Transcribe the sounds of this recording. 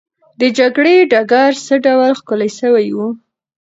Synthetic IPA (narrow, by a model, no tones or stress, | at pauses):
d̪əd͡ʒaɡɽeɖaɡaɾsəɖawlxkolajʃəwajwu